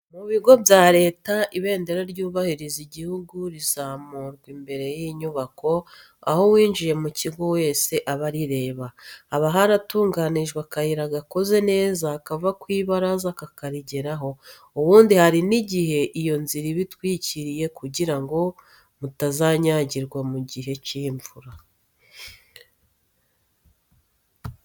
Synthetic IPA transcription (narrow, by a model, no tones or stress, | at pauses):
muβiɡo̞bjaːɾe̞ːtaʔiβe̞ːnde̞ɾoɾɟuːβahiɾiziɟihuɡuɾizaːmuɾɡwimbe̞ɾe̞jiɲuβakʰo̞ | a̰ho̞wiːnʒije̞muciɡo̞we̞ːse̞ʔaβaɾiɾe̞ːβaːβaɦaɾatuːŋɡaniʒɡwakahiɾaɡako̞ze̞ne̞ːzakavakwiːβaɾazakakaɾiɟe̞ɾaɦo̞ | uβuːndihaɾiniɟihe̞ʔijo̞nziɾiβitwiːciɾije̞kuɟiɾaŋɡo̞ | mutazaɲaɟiɾɡwamuɟiɦe̞ciːɱvuɾa